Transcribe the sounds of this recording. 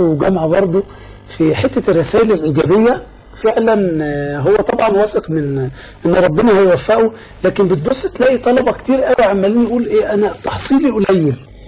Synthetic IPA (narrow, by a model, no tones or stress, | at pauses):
wɡæmʕbɑɾˤd̪ˤo | fiħet̪ːærˤːesæːʔelælʔiɡæːbejːæ | feʕlænɦowːæt̪ˤɑbʕɑnwæːseqmen | ʔenːɾˤɑbːenɑhæjwæfːæʔu | læːkenbet̪̚bosːt̪læʔit̪ˤɑlɑbɑkt̪iːɾʔæwiʕamːæliːniʔuːlʔeːʔænæt̪ɑħsˤiːliʔolæjːel